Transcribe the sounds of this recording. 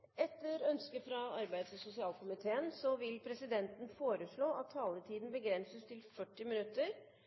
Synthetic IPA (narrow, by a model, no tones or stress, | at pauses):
ɛt̪ːəɾœnskəfɾɑɑɾbæɪd̪sɔsʊsɪɑːlkʊmɪt̪ʰeːənsɔʋɪlpʰɾɛsɪd̪ɛnt̪n̩foːɾəʂɭoːʔɑt̪ʰːɑːlət̪ʰiːd̪n̩bəɡɾɛnsəst̪ʰɪlfœʈːɪmɪnʉt̪ːəɾ